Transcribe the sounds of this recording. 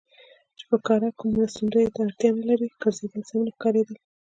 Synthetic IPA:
t͡ʃɪ̥pəkɑɾakumasunɾəjet̪aaɽt̪jɑnalaɾiɡəɾzed̪əlzamnaxkɑɾed̪i

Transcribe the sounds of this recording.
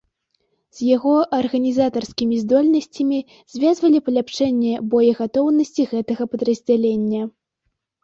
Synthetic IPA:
z̥ʲjaɣɔʔɐrɣɐnʲizat̪ɐrskʲimʲizd̪ɔlʲnɐsʲt͡sʲɐmʲi | z̥ʲvʲazvɐlʲipɐlʲapt͡ʂɛnʲːɛbɔjɛɣat̪ɔwnɐsʲt͡sʲiɣɛt̪ɐɣɐpɐd̪ɾɐzʲd͡zʲalʲenʲːɐ

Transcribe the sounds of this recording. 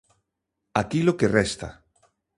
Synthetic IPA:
akilokerɛst̪a̰

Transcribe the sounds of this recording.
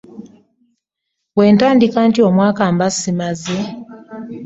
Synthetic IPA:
we̞ːntaːndikaːntio̞mwaːkaːmbasimaze

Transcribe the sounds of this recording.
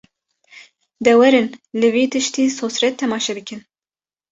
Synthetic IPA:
d̪ɛwɛɾɨnlɨviːt̪ʰɨʃt̪iːsoːsɾɛt̪ʰːɛmɑːʃɛbɨkɨn

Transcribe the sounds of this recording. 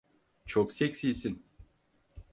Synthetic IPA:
t͡ʃʰoksecʲsijsin

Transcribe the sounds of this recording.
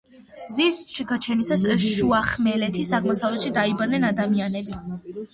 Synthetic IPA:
zisʃiɡat͡ʃʰɛnisasʃuaχmɛlɛt̪ʰisakʰmɔsavlɛt̪ʃid̪aibad̪nɛnad̪amianɛbi

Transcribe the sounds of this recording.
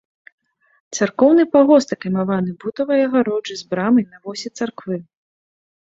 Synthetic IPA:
t̪sarkɔwn̪ɨpaɣɔst̪ɐkɐjmavanɨbut̪ɐvɐjɐɣaɾɔd͡ʐɨzbɾamɨjnɐvɔsʲɛt̪sarkvɨ

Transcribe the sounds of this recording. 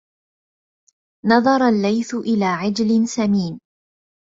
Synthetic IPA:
nɑðˤɑɾˤɑlːajθʊʔɪlaːʕɪd͡ʒlɪnsamiːn

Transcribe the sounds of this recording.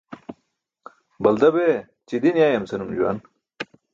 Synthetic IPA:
bɐld̪ɐbe | t͡ɕid̪injaːjɐmsenumd͡ʑuwa̰ːn

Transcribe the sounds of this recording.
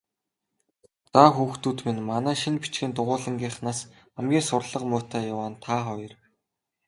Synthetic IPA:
t͡saxuːxt̪uːt̪minmanæːʃinpi̥t͡ɕɡɘ̆ːnt̪ʊʁʊːɮə̆ŋɡʲiːχnaːs | amɡʲiːŋsʊrɮə̆qmʊːt̪ʰæːjʊwaːnt̪ʰaːχɔjɞ̆r

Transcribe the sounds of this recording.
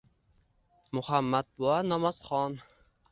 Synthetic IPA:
mʊhamːad̪̚bʊanɒmaz̥χɒn

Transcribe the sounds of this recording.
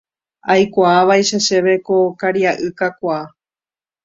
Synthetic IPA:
ajkʷaːʋajʃaʃe̞ʋe̞kokaɾiaʔɨkakʷaː

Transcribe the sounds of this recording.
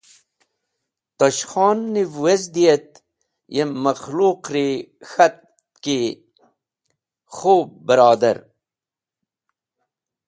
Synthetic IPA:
t̪ɐɕxɑːnːivwezd̪ijet̪̚ | jemːɐxluːqɾixɐt̪̚ | ki | xoːb̚bəɾɑːd̪ɐ̰ɾ

